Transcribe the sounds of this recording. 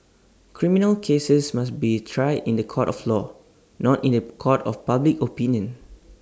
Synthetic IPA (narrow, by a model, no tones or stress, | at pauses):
kʰɹĩminəlkʰesəsmasbitʰɹajdĩndəkʰɔtɔflɔ | nɔtĩndəkʰɔtɔfpablikopĩnjə̃n